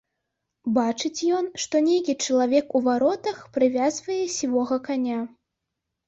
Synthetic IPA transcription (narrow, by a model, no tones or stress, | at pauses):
bat͡ʂɨt͡sʲjɔnʂt̪ɔnʲejkʲit͡ʂɐlˠavʲɛkuvaɾɔt̪ɐxpɾɨvʲazvɐjɛsʲivɔɣɐkanʲa